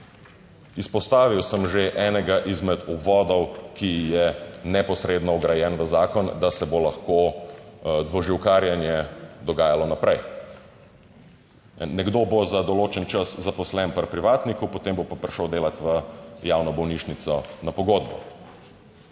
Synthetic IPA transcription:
ispɔst̪aːʋiwsəmʒeʔɛːnɛɡaʔizmɛd̪ɔbʋɔːd̪ɔwkʰijɛnɛpɔsɾeːd̪nɔɔɡɾajɛnʋəzaːkɔnd̪asɛbolaxko | d̪ʋɔʒiwkaːɾjanjɛd̪ɔɡaːjalɔnapɾɛj | nɛɡd̪obozad̪ɔloːt͡ʃɛnt͡ʃəszapɔslɛnpɐɾpɾiʋaːt̪nikupot̪embopapɾiʃləwd̪eːlat̪ʋəjawnɔbɔwniʃnit̪sɔnapɔɡoːd̪̚bɔ̰

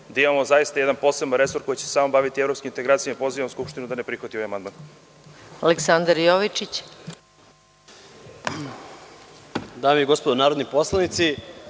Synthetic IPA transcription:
d̪aimamozajist̪ajed̪anpo̞sebnaɾe̞so̞ɾko̞jit͡ɕe̥se̥saːmobaʋit̪ievɾopskimint̪eɡɾaːt̪ijamipo̞ziʋamuskupʃt̪inud̪anepɾixat̪ioʋajamand̪man | aleksand̪aɾjoʋit͡ʃit͡ɕ | d̪aːmeiɡospod̪onaːɾod̪niposlˠanit̪si

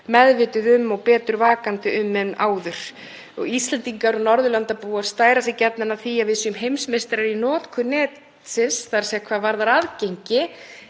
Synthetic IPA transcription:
mɛðvɪːt̪ʏðʏmːɔɣpɛːt̪ʏɾvaːkant̪ɪʏmːɛnaːwðʏɾ̥ | ɔ̰ɣist̪lɛnt̪iŋkaɾɔnɔɾðʏlant̪apuːaɾst̪aːjɾasɪcɛt̪̚nɪnaθiavɪðsʏmɦejmsmest̪ɪɾaɾinɔːt̪kʰʏnɛːt̪ | sɪnsθaɾsɛkʰvaːvaɾðaɾaðcejɲcɪ

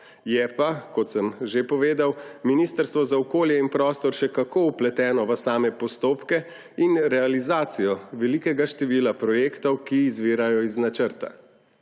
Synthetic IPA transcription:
jɛpakɔt̪səmʒepɔʋeːd̪awminist̪əɾst̪ʋɔzaɔkoːljɛinpɾɔːst̪ɔɾʃɛkakouplɛt̪ɛːnɔʋəsaːmɛpɔst̪oːpkɛ | inɾɛalizaːt̪sijɔʋɛlikɛɡaʃt̪ɛʋiːlapɾɔjeːkt̪ɔwkiːzʋiːɾajɔiznat͡ʃəɾt̪a̰

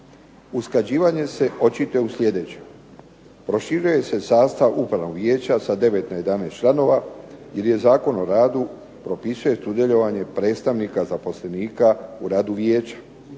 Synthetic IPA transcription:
uskad͡ʑiːʋaɲe̞se̞ʔo̞t͡ɕit̪ojeusʎʲe̞d̪e̞t͡ɕe | pɾo̞ʃiɾuje̞se̞saːst̪aʋupɾanoʋjeːt͡ɕasad̪e̞ʋe̞t̪naje̞d̪aneːst͡ʃlˠano̞ʋaje̞ɾje̞zaːko̞no̞ɾaːd̪u | pɾo̞pisuje̞sud̪jeʎo̞ʋaɲe̞pɾe̞ːt̪st̪aʋnikazapo̞sle̞niːkauɾaːd̪uʋjeːt͡ɕḁ

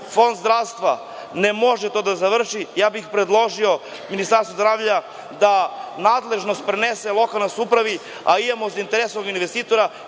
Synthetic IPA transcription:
fo̞nd̪zd̪ɾaʋst̪ʋa | nemo̞ʒet̪o̞d̪azaʋr̩ʃijaːbixpɾed̪lˠo̞ʒio̞ | minist̪aɾst̪ozd̪ɾaːʋʎa | d̪anaːd̪lˠe̞ʒnost̪pɾeneselˠo̞kalˠnasupɾaʋi | a̰id̪emozint̪eɾesooɡinʋest̪iːt̪o̞ɾa

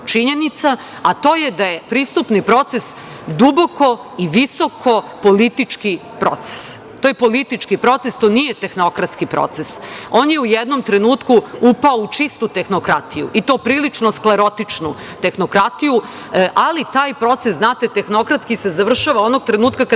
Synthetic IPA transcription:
t͡ʃiɲe̞nit̪sa | at̪oːjed̪ajepɾist̪upnipɾo̞t̪ses | d̪ubo̞ko̞iʋiso̞kʰo̞polit̪it͡ʂki | pɾo̰t̪se̥s | t̪ojepo̞lit̪it͡ʂkipɾo̞t̪sest̪o̞ːnijet̪exno̞kɾat̪skipɾo̰t̪sesoːnjeujɛd̪nomt̪ɾenuːt̪kuupaout͡ʂist̪ut̪exnokɾat̪ijṵʔit̪opɾiːlit͡ʂnoskleɾo̞t̪it͡ʂnu | t̪exnokɾat̪iju | ʔalit̪aːjpɾo̞t̪sesznaːt̪et̪exno̞kɾat̪skisezaʋr̩ʃaʋao̞noɡ̚t̪ɾenuːt̪kaka

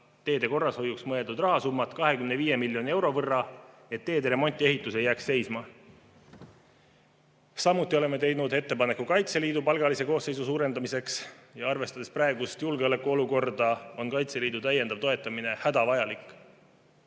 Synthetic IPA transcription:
t̪e̞ːd̪̥e̞ko̞rːɑsho̞juksmɤe̞lt̪ud̪rɑɦɑsumːɑt̪ˑkɑɦe̞kymneviːje̞milʲjo̞nie̞wɾo̞vɤrːɑ | e̞t̪ːe̞ːd̪eɾe̞mo̞nʲt̪ːˑie̞ɦit̪ːˑuse̞jːæːksse̞jsmɑ | sɑmut̪ːˑio̞le̞mːe̞t̪e̞jnud̪e̞t̪ːe̞pɑne̞kːukɑjt̪se̞liːd̪upɑlɡ̥ɑlise̞ko̞ːsːe̞jsusuːɾe̞nd̪ɑmise̞ksjɑɑrve̞st̪ɑd̪̥esprɑe̞ɡust̪julɡeole̞kːuo̞luko̞rd̪ɑo̞nkɑjt̪se̞liːd̪ut̪æjend̪ɑv̥̚t̪o̞e̞t̪ːˑɑmine̞hæd̪ɑvɑjɑlikːˑ

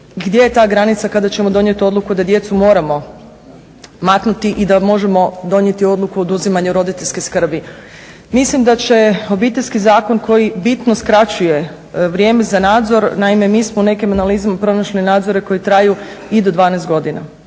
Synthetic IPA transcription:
ɡd̪je̞jet̪aːɡɾanit̪sakad̪at͡ɕe̞mo̞d̪o̞nje̞t̪io̞d̪lukud̪ad̪je̞t̪sumo̞ːɾamo̞ | maknut̪iʔid̪amo̞ʒe̞mo̞d̪o̞ɲje̞t̪io̞d̪lˠukuod̪uzimaɲuɾo̞d̪it̪eʎʲskeskr̩bi | mislimd̪at͡ɕe̞o̞bit̪e̞ʎʲskizaːko̞nko̞jibit̪noskɾat͡ɕuje̞ | ʋɾje̞ːme̞zanaːd̪zo̞ɾnaime̞miːsmoune̞kimanalizamapɾo̞naʃlinaːd̪zo̞ɾe̞ko̞jit̪ɾaju | id̪o̞d̪ʋaːnest̪ɡo̞d̪ina̰

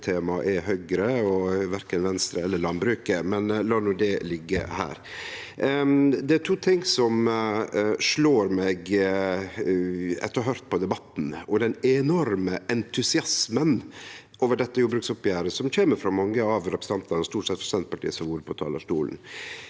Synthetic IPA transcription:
t̪ʰeːmɑʔɛɦœɡɾəɔʋæɾkənʋɛnst̪ɾəɛlːəɾɭɑnbɾʉːkəmɛnlɑːnuːd̪ɛlɪɡːə̰hæ̰ːɾ | d̪ɛæʈʰuːt̪ʰɪŋːsɔm | ʂɭoːɾmɛɡ | ɛ̰t̪ːɔɦœɾt̪̚pʰɔd̪ɛbɑt̪ːn̩ɔd̪ɛnɛnɔɾməʔɛnt̪ʰʉsɪɑsmən | ʔoːʋəɖɛt̪ːəjuːbɾʉksɔpːjæːɾəsɔmçeːməɾfɾɑmɑŋːəɑʋɾɛpɾsn̩ɑnt̪ɑnɔst̪uːʈʂɛt̪fɔsɛnt̪pɑʈʰḭːəsɔʋuːɾəpʰɔt̪ʰɑ̰ːləʂʈṵːln̩

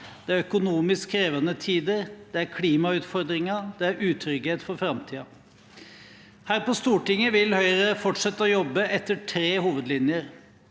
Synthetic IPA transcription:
d̪̥ɛæɾœkʊnuːmɪskʰːɾeːʋənət̪ʰiːd̪əɾd̪̥ɛæɾkʰliːmɑʉːt̪fɔɾd̪ɾɪŋɑd̪̥ɛæɾʉːt̪ʰɾʏɡheːt̪fɔɾfɾɑmt̪ʰiːɑ | hæːɾpɔst̪uːʈɪŋːəʋɪlhœʏəɾəfɔʈʂɛt̪ːəɔjɔbːəʔɛt̪ːəʈʰɾeːhuːʋəd̪lɪnjəɾ

